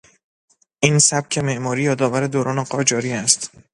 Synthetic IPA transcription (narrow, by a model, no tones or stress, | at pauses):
ʔiːnsæb̥̚cʰe̞me̞ʔmɒːɾiːjɒːd̪ɒːvæɾe̞d̪oːɾɒːneɢɒːd͡ʒɒːɾiːæst̪